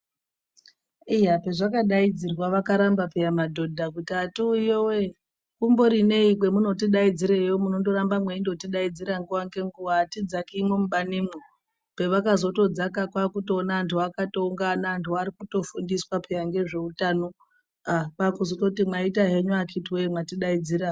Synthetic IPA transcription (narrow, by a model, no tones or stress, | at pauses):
ijape̞ʐakaɗaid͡zirwaʋakaɾambapejamadʱo̞dʱakutatuijowe | kumbo̞ɾine̞ikwe̞muno̞tiɗaid͡ziɾejomuno̞ndo̞ɾambamwe̞indo̞tiɗaid͡ziɾaŋɡuʋaŋɡe̞ŋɡuʋaːtid͡zakimwemuɓanimo | pe̞ʋakazo̞to̞d͡zakakwakutoːnaːntʰuakato̞uŋɡanaːntʰuaɾikuto̞fundiswapejaŋɡe̞ʐe̞utano̞ | apakuzototimwaitaɦe̞ɲuakʰitiwemwatiɗaid͡ziɾa